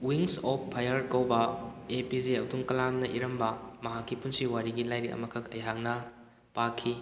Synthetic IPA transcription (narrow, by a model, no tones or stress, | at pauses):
wiŋsɔpːʰajɐɾkɐwbɐepizeɐduŋkɐlamnɐʔiɾɐmbɐmɐɦakːipunsiwaɾiɡilajɾikɐ̰mɐkʰɐkɐjɦak̚nɐ | pakʰːi